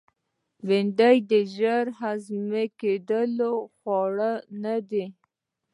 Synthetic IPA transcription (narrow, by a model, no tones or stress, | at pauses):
weɳɖajd̪əʒəɾɦazmeked̪əloxwɑɽənad̪e